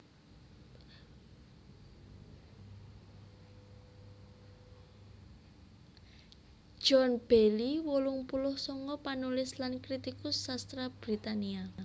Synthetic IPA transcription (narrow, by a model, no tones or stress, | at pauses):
d̥ʒ̥ɔnb̥eliwolʊŋpulʊhsɔŋkɔpanulɪslankɾit̪ikʊsːast̪ɾab̥ɾit̪ania